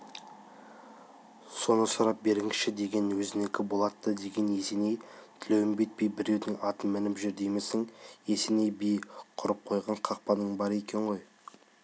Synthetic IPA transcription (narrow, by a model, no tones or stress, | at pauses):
so̞nəsʊɾɑp̚be̞ɾɪŋʃɪd̪e̞ɡʲe̞nwɵzɪne̞kʲɪbo̞lˠɑt̪ːəd̪e̞ɡʲe̞ne̞se̞ne̞jt̪ʰɪlewɪmbet̪̚bijbɪɾe̞wd̪ɪŋɑt̪əmɪnɪpʒʏɾd̪e̞jmesɪŋe̞senejbijqʰʊɾəp̚qʰo̞jʁɑɴqʰɑq̚pɑnəɴbɑɾe̞kʲe̞ɴʁo̞j